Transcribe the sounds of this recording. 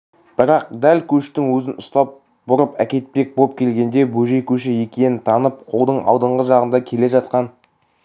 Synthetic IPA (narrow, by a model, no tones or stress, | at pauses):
b̥ɪɾɑq̚d̪ælkʲʰɵʃt̪ɪŋwɵzɪnʊst̪ɑp̚ | bʊɾəpækʲe̞t̪̚pe̞k̚bop̚kʲʰe̞lɡʲe̞nd̪e̞bɵʒe̞kʲʰɵʃɪje̞kʲe̞nɪnt̪ʰɑnəp̚qʰo̞lˠd̪əɴʔɑ̰wd̪əɴʁəʒɑʁənd̪ɑkʲʰe̞le̞ʒɑt̪̚qɑn